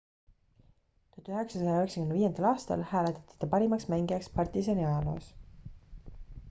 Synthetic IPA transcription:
t̪ot̪ːˑuøɦeksɑsɑjɑøheksekymneiːend̪̥ɑlɑːst̪ɑ̰lhæːlet̪ːˑɑ̥t̪ːˑi̥t̪ɑpɑɾimɑksmæŋɡiɑkspɑrt̪is̬eniɑɑlo̰ːs

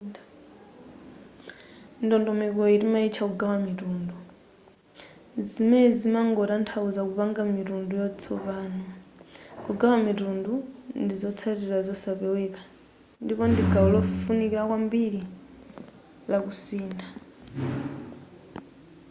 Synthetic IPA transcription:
ndɔndɔmɛkɔiɾimait͡ʃʰakuɡawamitundu | zimɛzimaŋɡɔtantʰauzakupaŋɡamitundujɔt͡sʰɔβaːnɔ | kuɡawamitundundizɔt͡sʰatiɾazɔsapɛwɛkḁ | ndipɔndiɡaulɔfunikiɾakwambili | lakusiːnda

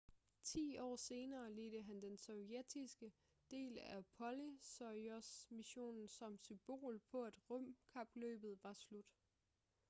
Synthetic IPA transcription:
t͡sʰḭːɒ̰ːse̝ːnɐːleːd̥əɦænd̥ensɒʊjed̥ʰisɡ̥ə | d̥e̝̰ːlæpʰɒ̽lisɒɒsmiɕo̝̰ːnn̩sɒ̽msymb̥o̝̰ːlpʰɒ̽æd̥ʁɔm̰kʰɑ̈b̥lø̰ːb̥ð̞̩ˠʋɑ̈slud̥

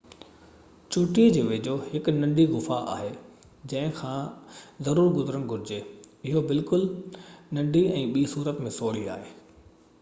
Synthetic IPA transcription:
t͡ɕʊːʈid͡ʑeːʋeːd͡ʑohɪkʊnɐ̃ɳɖiɣʊfaa̰ːɦe | d͡ʑɐ̃ɦɪ̃kʰãːzɐɾuːɾɡʊzɾənɡʱʊɾɪd͡ʑeːɪɦobɪlkʊlnɐ̃ɳɖʱiɛ̃ːɓiːsuːɾət̪mẽsoːɽ̤ia̰ːɦeː

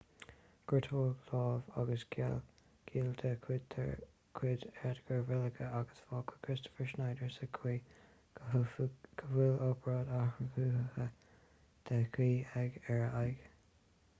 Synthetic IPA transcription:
ɡ̥ɪt̪ʰoːɡlɑːva̰ɡəsɡʰɛ̰l | ɡ̥ʰiːld̪ʰəkʰwɪdt̪ʰ | kʰwɪdɛɹdəɡ̥əɹvɪləɡəaɡəsfɑːkʰə̥kʰɹɪstɔ̥fəɹʃnajdəɹsəkʰwiː | ɡ̥ʰəvulɔpʰəɹɑːd̪ahɹəɡuːhəhə | d̪̥ʰəkʰwiːɛɡɛɹəʔajɡ

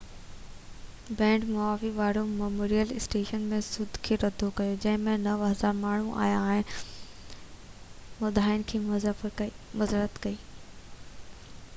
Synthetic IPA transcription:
bɛ̃ːɳʈmʊaːfiʋaːɽomɐmoːɾijəlɪsʈeːʃənmẽsʊd̪ʱkʰeːɾɐd̪ʱokɐjod͡ʑɐ̃ɦɪ̃mẽnɐʋɦɐzaːɾmaːɳ̤uʔa̰ːjaːɦɪn | mʊd̪ʱaːɪnkʰeː | mʊzəɾət̪kɐiː

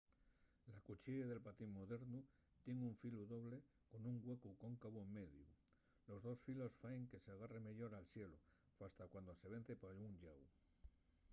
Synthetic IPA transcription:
lakut͡ʃieðe̞lpat̪immoðe̞ɾnu | t̪jeŋuɱfiluðo̞βle | ko̞nuŋɡwe̞kuko̞ŋkaβoemːe̞ðju | lo̞zðo̞sfilo̞sfaeŋke̞seaɣ̞are̞me̞ʎo̞ɾalsje̞lo | fast̪akwand̪o̞se̞β̞e̞n̟θe̞pauŋʎaw

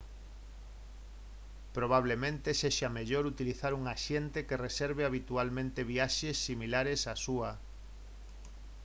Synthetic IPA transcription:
pɾoβ̞aβ̞lemẽnt̪eseʃameʎoɾut̪iliθaɾuŋaʃent̪ekereseɾβ̞eaβ̞it̪ualmẽnt̪eβiaʃesːimilaɾesasuɐ

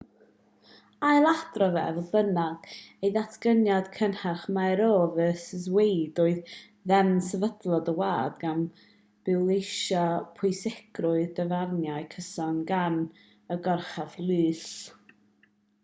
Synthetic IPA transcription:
ajlˠadrɔvɛ̰vɔbənaɡ̥ejðatʰɡ̥ənjad̥kʰənharχmajɾoːvəsəzwejdoːɨð | ðɛnsəvədlˠɔdəwa̰ːdɡan | b̥ɪlˠejʃɔpʰʊɨsɛɡ̥rʊɨðdəvarnjaɨkʰəsɔnɡan | əɡɔrχavlˠɨːs

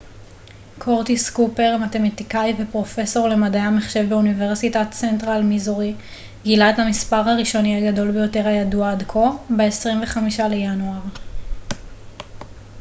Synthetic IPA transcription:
kʰo̞ʁtiskupe̞ʁmate̞matikajvepʁo̞fe̞so̞ʁle̞madajameχʃe̞vbeunive̞ʁsitatt͡sentʁalmizoʁi | ɡilaethamispaʁhaʁiʃo̞niaɡado̞lbejo̞te̞ʁajaduadkʰo̞beesʁimve̞χamiʃale̞januaʁ

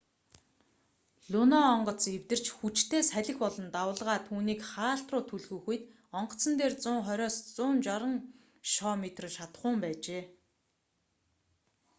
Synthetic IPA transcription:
ɮ̥unɔːɴɢɞ̆t͡sew̥t̪ɘ̆r̥t͡ɕxut͡ɕt̪ʰeːsæɮʲɪ̆xpɔɮɞ̆nt̪awʊːɮʁaːt̪ʰuːniːkχaːɬt̪rʊːt̪ʰuɮɣujxujt̪ | ɔɴɢɞ̆t͡sə̆nt̪eːrt͡sʊːŋχɔɾʲɔːst͡sʊːmt͡ɕɔɾə̆ŋ | ʃɔːmet̪rʃat̪̆χʊːmpæːt͡ɕeː

